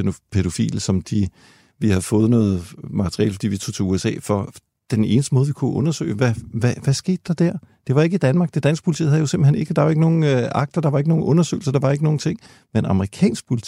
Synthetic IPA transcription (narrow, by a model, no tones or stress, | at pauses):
enopʰeɾ̥o̝fḭːlsɒ̽md̥i | ʋihæðˠfɔ̽ːð̞̩ˠnɔ̽ːð̩ˠmɑ̈t͡sʰʁiɛ̰ːlfɒd̥ḭːʋit͡sʰut͡sʰe̝uesɛ̰ːfɒ̽ | d̥ene̝ːnəsd̥əmɔ̽ːð̞ˠʋikʰuʔɔ̽nɐsø̰ːɪʋæʋæʋæsɡ̥e̝̰ːd̥ːɑ̈d̥æɐ̰d̥e̝ʋɑ̈e̝ɡ̥id̥ænmɑ̈ɡ̥̚d̥ed̥æn̰sɡ̥̚pʰult͡sʰḭð̰ˠhæðˠjo̝se̝mb̥l̩hene̝ɡ̥əd̥ɑ̈ʋɑ̈e̝ɡ̥no̝ːn̩øʔɑ̈ɡ̥̚d̥ɐd̥ɑ̈ʋɑe̝ɡ̥əno̝ːn̩ʔɔ̽nɐsø̰ːɪlsɐd̥ɑ̈ʋɑ̈e̝ɡəno̝ːn̩t͡sʰe̝ŋ̰ | menɑ̈məʁikʰɛ̰ːnsɡ̥̚pʰulit͡sʰi